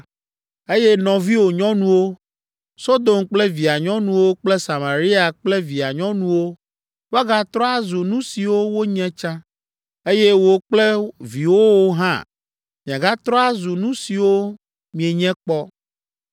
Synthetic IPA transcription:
e˦jɛ˦nɔ̃˨vi˦wo˨ɲɔ̃˦nũ˦wo˦ | so˦d̪o˨mk͡plɛ˦vi˨a˨ɲɔ̃˦nũ˨wo˦k͡plɛ˦sa˨ma˨ɾi˦a˨k͡plɛ˦vi˨a˨ɲɔ̃˦nũ˦wo˦ | wa˦ɡa˦t̪ɾɔ˦a˦zu˨nũ˦si˨wo˦wo˦ɲɛ̃˦t͡ʃã˦ | e˦jɛ˦wo˨k͡plɛ˦vi˨wo˦wo˦ɦã̰˦ | mĩ˨a˨ɡa˦t̪ɾɔ˦a˦zu˨nũ˦si˨wo˦ | mĩ˨e˨ɲɛ̃˦k͡pɔ˦

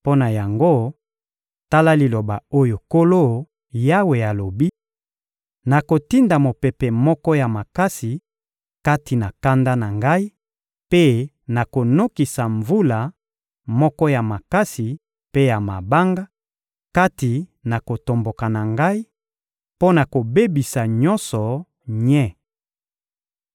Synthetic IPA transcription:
po˦na˨ja˨ŋɡo˦ | ta˦la˦li˨lo˨ba˨o˦jo˨ko˦lo˦ | ja˦we˨a˨lo˨bi˦ | na˨ko˨ti˦nda˨mo˨pɛ˨pɛ˨mɔ˦kɔ˦ja˨ma˨ka˦si˨ | ka˦ti˨na˨ka˦nda˦na˨ŋɡa˦i˦ | pe˦ | na˨ko˨no˦ki˨sa˨ɱvu˦la˨ | mɔ˦kɔ˦ja˨ma˨ka˦si˨ | pe˦ja˨ma˨ba˦ŋɡa˦ | ka˦ti˨na˨ko˨to˨mbo˨ka˨na˨ŋɡa˦i˦ | po˦na˨ko˨be˦bi˨sa˨ɲɔ˦nsɔ˨ | ɲɛ˦˨

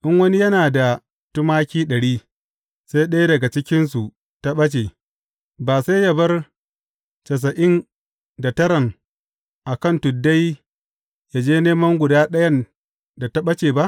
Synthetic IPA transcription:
ʔɪ˦ŋwɐ˦ni˦jɐ˦naː˨da˨ | tʊ˦maː˦kʲiː˦ɗɐ˨ɽiː˦ | sa˦jɗɐ˦jdɐ˨ɡa˨t͡ʃɪ˦kʲɪ˦ns̬u˨ | ta˦ɓɐ˦t͡ʃe˨ | baː˨sa˦jja˨bɐ˦r | t͡ʃɐ˨s̬ɐ˨ʔɪ˦n | da˨tɐ˦ɾɐ˨ŋ | ʔa˨kɐ˦˨ntʊ˨dːa˦j | ja˨d͡ʒeː˦neː˦mɐ˦ŋɡʷʊ˨daː˦ɗɐ˦jɐ˦n | da˨ta˦ɓɐ˦t͡ʃeː˨ba˦ʔ

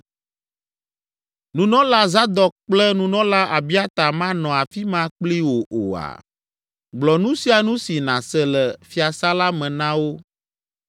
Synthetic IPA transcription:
nũ˨nɔ̃˦la˦za˦d̪ɔ˨k̚k͡plɛ˦nũ˦nɔ̃˦la˦ʔa˨bi˦a˦t̪a˨mã˦nɔ̃˨a˨fi˦mã˦k͡pli˦wo˨ʔo˨a̰˨ | ɡ͡blɔ˨nũ˦si˦a˨nũ˦si˨nã˨sɛ˦lɛ˨fi˦a˨sa˦la˦mɛ̃˨nã˦wo˦

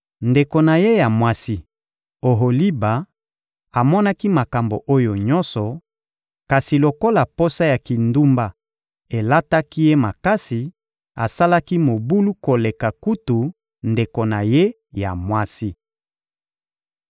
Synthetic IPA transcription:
nde˨ko˨na˨je˦ja˨mwa˦si˦ | o˨ɦo˨li˦ba˨ | a˨mɔ˦na˦ki˦ma˨ka˨mbo̰˨ʔo˦jo˨ɲɔ˦nsɔ˨ | ka˨si˨lo˨ko˦la˨po˦sa˦ja˨ki˨ndu˦mba˦ | e˨la˦ta˦ki˦je˦ma˨ka˦si˨ | a̰˨sa˦la˦ki˦mo˨bu˦lu˦ko˨le˨ka˨ku˦tu˨ | nde˨ko˨na˨je˦ | ja̰˨mwa˦si˦

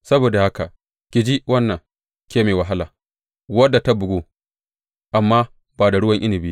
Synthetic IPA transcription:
sɐ˦boː˨da˨ha˦ka˨ | kʲɪ˨d͡ʒi˦wɐ˦nːɐ˨ŋ | kʲeː˦meː˨wa˨ɦa˦laː˨ | wɐ˦dːa˨ta˦bʊ˨ɡʷoː˦ | ʔa˨mːaː˦ | baː˨da˨ɽʊ˦wɐ˦ŋʔɪ˦nɪ˨bi˦

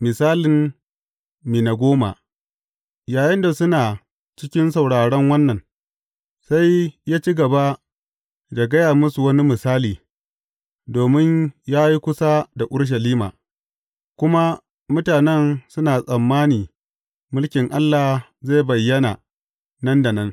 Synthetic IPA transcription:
mɪ˨saː˦lɪ˨m | miː˨na˨ɡʷoː˦ma̰˨ | jaː˨jɐ˦nda˨sʊ˦naː˨ | t͡ʃɪ˦kʲɪ˦nsɐ˨wɽaː˨ɽɛ˦ŋwɐ˦nːɐ˨n | sa˦jjaː˦t͡ʃi˦ɡɐ˨ba˦ | da˨ɡɐ˦jaː˨mʊ˦su˨wɐ˦ni˦mɪ˨saː˦liː˨ | doː˨mɪ˦ɲjaː˦ji˦kʷʊ˦sa˦da˨ʔʊ˦ɽʃ̬ɐ˨liː˦ma̰ː˨ | kʷʊ˦ma˦ | mʊ˦taː˨nɛ˦nsʊ˦naː˨sʼɐ˨mːaː˦niː˨ | mʊ˦lkʲɪ˨ŋʔa˦lːa˨ | ze˦˨bɐ˨jːɐ˦na˨ | nɐ˦nda˨nɐ˦n

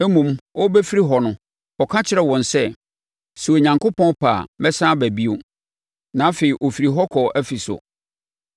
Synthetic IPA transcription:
e˦mũ˨mwɔ˦bæ˦fi˦ɾi˦ɦɔ˨nʊ̃˦ | ɔ˨kʰã˦t͡ɕʰɪ˦ɾɛ˨wɔ̃˨n˨sɛ˦ | su˨e˨ɲã˨ŋkʰo˦pʰɔ̃˦pʰa̰˨mɛ˦sãː˦bæ˨bi˦o˦ | nã˨˦fe˨i˨ʔo˨fi˨ɾi˨ɦɔ˦kʰɔ˨ʔæ˦fi˨sʊ̰˨

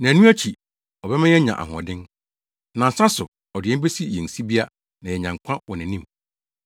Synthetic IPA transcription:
nã˨nũ˦æ˦t͡ɕʰi˨ | ɔ˨bɛ˦mã˦jɛ˦ɲã̰˨ʔa̰˨ɦɔ̰̃˨dɪ̃˦n | nã˨n̩˨sã˦sʊ˨ | ɔ˨dɪ˨ɛ̃˦m˦be˦si˦jɛ˨n̩˨si˦bi˦a˦ | nã˨jɛ˨ɲã˨ŋ˨kʷʰã˦wɔ˨nɪ̃˨nĩ˦m

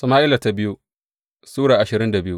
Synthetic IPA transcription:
sɐ˨maː˦ʔɪ˦la˨ta˨bɪ˦ju˦ | suː˦ɽaː˨ʔa˨ʃɪ˨ɾɪ˦nda˨bɪ˦ju˦

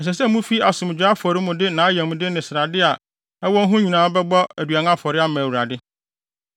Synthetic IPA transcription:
ɛ˨s̬ɛ˨sɛ˦mʊ̃˦fi˦a˨sʊ̃˨m˨d͡ʑᶣa˦fɔ˨ɾɪ˦mʊ̃˨dɪ˦nãː˨˦a˦jɛ̃˨mʊ̃˨dɪ˦nɪ̃˨sɪ˨ɾa˨dɪ˦a˨ | ɛ˦wɔ˦n̩˦ɦʊ̃˦ɲĩ˨nãː˨˦bɛ˦bɔ˦æ˨dɥa˨nã˦fɔ˨ɾɪ˦a˦mã˨wu˨ɾa˨dɪ˦

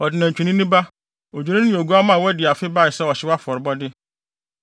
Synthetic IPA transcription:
ɔ˨dɪ˨nã˨t͡ɕᶣu˨nĩ˦nĩ˦ba˦ | o˨d͡ʑᶣu˨ɾĩ˦nɪ̃˦o˨ɡu˦a˦mã˦˨wɔ˦dɪ˨a˨fɪ˦ba˦˨ɪ˨sɛ˦ɔ˨ɕɪ˦wa˦fɔ˨ɾbɔ˦dɪ˦

